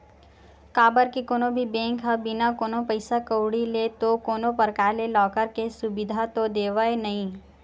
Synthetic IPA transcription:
kaːbəɾkikoːnõbʱibɛ̃ːŋkɦabɪnakoːnõpɐɪsakəʊɽilet̪okoːnõpəɾkaːɾlelɔːkəɾkesʊbɪd̪ʱat̪od̪eːʋaenɐɦĩː

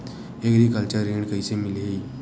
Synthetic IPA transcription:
eɡɾikalt͡ɕaɾeɳkəjsemilei

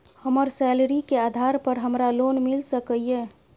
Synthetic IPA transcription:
həməɾsɛlɾikead̪ʱaɾpəɾɦəmɾalonmilsəkəije

